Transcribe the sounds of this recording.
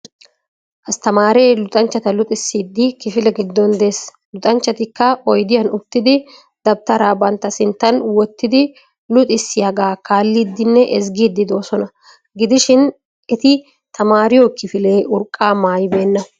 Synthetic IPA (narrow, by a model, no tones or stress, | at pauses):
ʔɐst̪ɐmaːɾeːlʊt̪ʼɐnt͡ʃːɐt̪ɐlʊt̪ʼɪsːiːd̪ːɪkɪfɪlɛɡɪd̪ːɔnd̪e̞ːs | lʊt̪ʼɐnt͡ʃːɐt̪ɪkːɐɔjd̪ɪjɐnʊt̪ːɪd̪ɪ | d̪̥ɐb̚t̪ɐɾaːbɐnt̪ːɐsɪnt̪ːɐnwɔt̪ːɪd̪ɪ | lʊt̪ʼɪsːɪjɐɡaːkaːlːiːd̪ːɪnːɛʔɛsɡiːd̪ːɪd̪o̞ːsɔnɐ | ɡɪd̪ɪʃɪn | ʔɛt̪ɪ | t̪ɐmaːɾɪjɔkɪfɪle̞ːʔʊɾkʼːaːmaːjbeːnːɐ